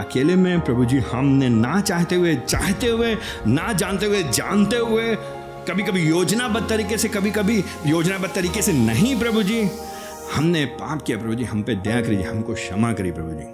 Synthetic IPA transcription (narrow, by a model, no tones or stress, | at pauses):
ɐkeːlemẽpɾɐbʱud͡ʒihɐmnenɐt͡ʃaːɦt̪eɦʊet͡ʃaːɦt̪eɦʊe | nad͡ʒãːnt̪eɦʊed͡ʒa̰ːnt̪eɦʊe | kɐbʱikɐbʱijoːd͡ʒnabɐd̪̚t̪ɐɾiːkesekɐbʱikɐbʱi | joːd͡ʒnabɐd̪̚t̪ɐɾiːkesenɐɦĩpɾɐbʱud͡ʒiː | hɐmnepaːpkijapɾɐbʱud͡ʒiɦɐmped̪ejakɐɾid͡ʒiɦɐmkoʃɐmakɐɾipɾɐbʱud͡ʒḭː